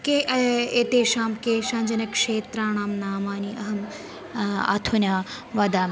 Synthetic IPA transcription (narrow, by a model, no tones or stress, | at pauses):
keet̪eːʃaːmkeːʃɐɲd͡ʒɐnɐkʂeːt̪ɾaːɳaːmnaːmaːniʔɐɦɐm | a̰t̪ʰunʲjaː | ʋɐd̪aːm